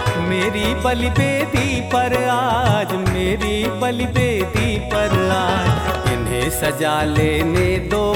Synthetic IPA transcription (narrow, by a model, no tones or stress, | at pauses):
meːɾibɐlipeːd̪ipɐɾaːd͡ʒmeːɾibɐlɪpeːd̪ipɐɾaːd͡ʒɪnẽːsɐd͡ʒaːleːneːd̪oː